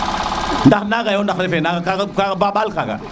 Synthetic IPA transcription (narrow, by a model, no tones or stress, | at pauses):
ndaxnaɡajondaɾefenaɡakaɡakabaɓalkaɡa̰